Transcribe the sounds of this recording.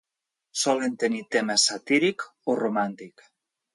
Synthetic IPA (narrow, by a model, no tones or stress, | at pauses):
sɔlent̪enit̪emesat̪iɾikoromant̪ik